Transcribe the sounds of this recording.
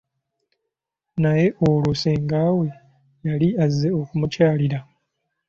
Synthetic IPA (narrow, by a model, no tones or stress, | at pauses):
naje̞ʔoluseːŋɡaːwe̞ | jaliazːe̞o̞kumucaːliɾa